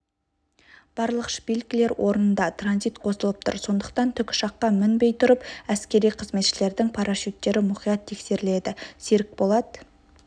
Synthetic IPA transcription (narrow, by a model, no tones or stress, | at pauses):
b̥ɑɾlˠəqʃə̥belɡʲɪle̞ɾwʔo̞ɾənənd̪ɑt̪ʰranzijt̪qʰo̞səlˠəp̚t̪ʰʊ̰ɾso̞nd̪əq̚t̪ɑnt̪ʰʏkʲʃɑqːɑmɪnbe̞jt̪ʰʊɾəpæskʲe̞ɾijqʰəzme̞t̪ʃɪle̞ɾd̪ɪŋpʰɑɾɑʃit̪ːe̞ɾɪmʊqijɑt̪ʰːe̞kse̞ɾɪle̞d̪ɪseɾɪk̚bo̞lˠɑd̪ə